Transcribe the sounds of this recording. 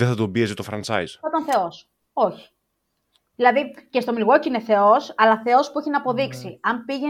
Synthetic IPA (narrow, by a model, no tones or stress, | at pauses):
ðeθɐt̪obiezet̪ofɾɐnt͡sɐ̰iz̥ot̪ɐnθe̞o̞s | o̞çi̥ | ðilɐðice̞st̪o̞milɣo̞ciineθe̞o̞sɐlɐθe̞o̞spueçinɐːpo̞ðiksiɐmpiʝe